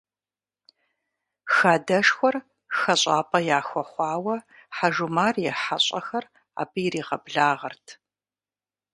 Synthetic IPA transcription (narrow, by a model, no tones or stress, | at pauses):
xaːdɐʂxʷɔr | xɐɕʼɑːpʼɐjaːxʷɔχʷɑːwɐħaʒumaːrjɛħaɕʼɐxɐr | a̰ːbɨjɾiːʁɐbɮaːʁɐrtʰ